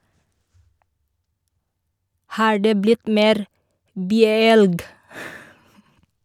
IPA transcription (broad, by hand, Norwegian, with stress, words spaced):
ˈhɑːɹ ˈdeː ˈblɪt ˈmeːɾ ˈbyːəˌɛlɡ